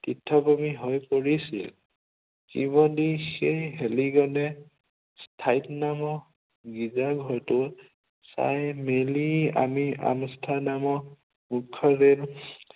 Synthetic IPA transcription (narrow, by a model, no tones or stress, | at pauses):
titʰːɔkɔmiɦojpɔɹisḭl | kḭbɔdixejɦeliɡɔnɛ | stʰajtnamɔ | ɡizaɡʱɔɹtʊ | sa̰jmelia̰mia̰mstʰanamɔ | mukʰːɔɾel